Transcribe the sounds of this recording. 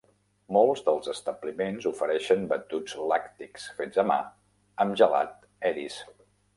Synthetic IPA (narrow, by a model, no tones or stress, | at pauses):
molˠzðəlˠzəst̪əblimenzufəɾɛʃənbət̪ud͡zlakt̪iksfez̥əma̰ | əmʒəla̰t̪ | ɛɾis